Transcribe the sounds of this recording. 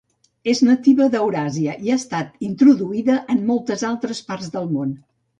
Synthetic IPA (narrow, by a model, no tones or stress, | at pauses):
eznət̪iβəðəwɾaziəʔiaəst̪at̪int̪ɾuðuiðəʔəmːolˠt̪əzalˠt̪ɾəspaɾzðəlˠmon